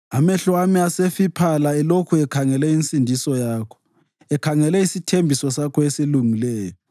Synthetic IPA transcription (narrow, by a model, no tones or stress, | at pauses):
amɛɬwamiasefipʰalaɛlokʰuɛkʰaŋɛlɛinsʼindʱisɔjaːkʰɔ̥ | ɛkʰaŋɛlɛisitʰembʱisɔsakʰɔesiluŋilɛːjɔ